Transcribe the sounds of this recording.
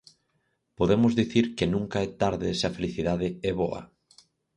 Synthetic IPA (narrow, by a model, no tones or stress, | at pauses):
poðemʊzðiθiɾkɪnũŋkaɛt̪aɾðɪsɪɐfeliθiðaðɪɛβɔɐ̰